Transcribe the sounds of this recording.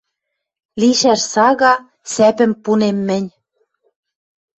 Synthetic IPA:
liʃæʃsɑɣɑ | sæpɘ̆mpunemːɘ̆nʲ

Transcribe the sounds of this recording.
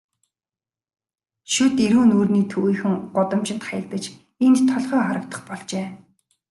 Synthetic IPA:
ʃʊt̪eɾuːnuːrniːt̪ʰuːɣiːxɘ̆ŋɢʊt̪ə̆mt͡ɕɪ̆nt̪χajə̆ɮt̪ə̆t͡ɕ | ent̪t̪ʰːɔɮʁœːχaɾə̆k̚t̪ə̥̆χpɔɮt͡ɕeː

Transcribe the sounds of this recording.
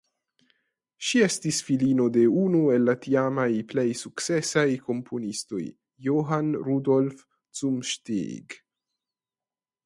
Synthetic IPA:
ʃie̞stisfilino̞de̞unue̞lːatiamajple̞jsukt͡se̞sajko̞mpʰo̞nisto̞̰jː | oɦanɾudo̞lf | t͡sumʃtḭɡ

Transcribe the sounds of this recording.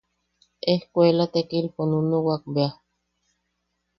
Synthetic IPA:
ehkʷelat̪ekilponunowak̚bea

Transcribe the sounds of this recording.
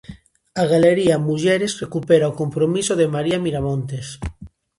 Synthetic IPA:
aɣaleɾiamuʝeɾesrekupeɾaokompɾomisoðemaɾiamiɾamõnt̪es

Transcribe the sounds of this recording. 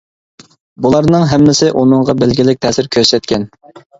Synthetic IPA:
bulˠɑɾnɨŋɦɛmːɪsɪʔunɨɴʁɑbælɡʲilɪk̚ʲt̪ʰɛːsɪɾkʲʰøɾsɛt̪̚kʲʰɛn

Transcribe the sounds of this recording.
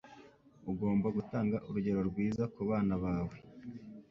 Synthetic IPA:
uɡo̞ːmbaɡutaːŋɡaʔuɾuɟe̞ɾo̞ɾɡwiːzakuβaːnaβaːwe̞

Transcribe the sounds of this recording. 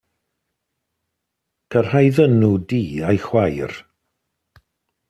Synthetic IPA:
kʰər̥hajðənudiːajxwajr

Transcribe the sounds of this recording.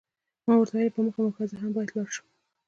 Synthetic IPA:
mɑwəɾt̪ɑɾepəməxamaxɑzaɦambɑjad̪lɑɾʃu̥

